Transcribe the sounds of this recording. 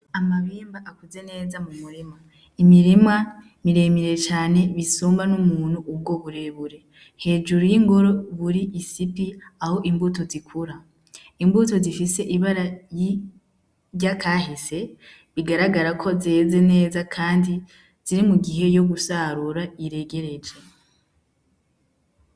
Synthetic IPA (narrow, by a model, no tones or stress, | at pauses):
amaβiːmbaʔakuze̞ne̞ːzamumuɾima | imiɾima | miɾe̞miɾe̞t͡ʃaːne̞βisuːmbanumuːn̥huːb̚ɡo̞βuɾeβuɾe̞ | he̞ːd͡ʒuɾujiŋɡoɾo̞βuɾiʔisipiaho̞ʔimbuto̞zikʰuɾa | imbuto̞zifise̞ʔiβaɾaji | ɟakʰaɦise̞ | βiɡaɾaɡaɾakʰo̞ze̞ze̞ne̞ːzakʰaːndi | z̥iɾimuɡiɦe̞jo̞ɡusaɾuɾaiɾe̞ɡe̞ɾe̞d͡ʒe